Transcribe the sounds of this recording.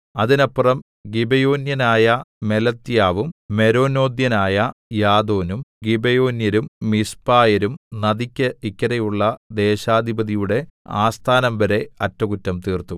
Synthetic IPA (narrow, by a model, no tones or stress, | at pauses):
ɐðinɐpːrɐm | ɡibejo̞ːnjɐnaːjɐme̞lɐt̪ːjaːʋumːe̞ɾo̞ːno̞ːd̪jɐnaːjɐjaːd̪o̞ːnumɡibejo̞ːnjɐɾumːispaːjɐɾumnɐðikʲːɐikʲːɐɾɐjuɭːɐd̪e̞ːɕaːd̪ʱibɐðijuɽe̞aːst̪ʰaːnɐmbɐɾe̞ɐtːɐkutːɐmt̪iːrt̪u